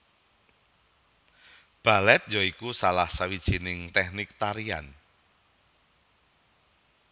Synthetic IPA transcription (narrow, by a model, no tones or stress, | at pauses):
b̥a̤lɛt̪̚jɔikusalahsawid̥ʒ̥i̤nɪŋt̪ɛhnɪk̚t̪aɾia̰n